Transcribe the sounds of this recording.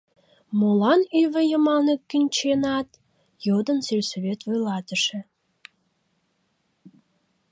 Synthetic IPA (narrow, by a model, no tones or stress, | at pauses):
molɑnyβĕjə̆mɑlnekkːənʲt͡ɕenɑt̪ | jod̪ə̆nselʲseβet̪vojlɑt̪ə̆ʃĕ